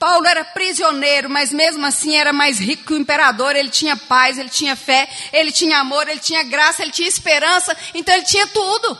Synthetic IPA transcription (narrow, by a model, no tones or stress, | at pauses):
pawlʊɛɾɐpɾizionejɾʊmɐzmezmʊasĩɛɾɐmajzɦikʊ̥kɪʊĩpeɾad̪oɾelɪt͡ʃĩɲɐpajzelɪt͡ʃĩɲɐfɛelɪt͡ʃĩɲɐamoɾelɪt͡ʃĩɲɐɡɾasɐelɪt͡ʃĩɲɐispeɾɐ̃sɐẽt̪ɐ̃w̃elɪt͡ʃĩɲɐt̪ud̪ʊ